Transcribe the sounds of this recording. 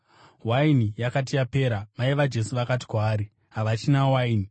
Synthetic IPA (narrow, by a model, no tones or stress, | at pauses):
wainijakat̬ijape̞ːɾamaiʋad͡ʒe̞suʋakat̬i̥kwaːɾi | ɦaʋat͡ʃinawaini